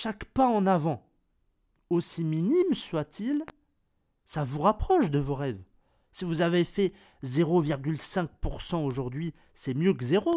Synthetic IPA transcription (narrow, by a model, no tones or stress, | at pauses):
ʃakpaɑ̃navɑ̃ | osiminimswat̪ʰil | savuʁapχɔʃd̪əvoʁɛv | sivuzavefɛ | zeʁoviʁɡʲylsɛ̃k̚puʁsɑ̃oʒuʁd̪ɥi | sɛmjøkzeʁo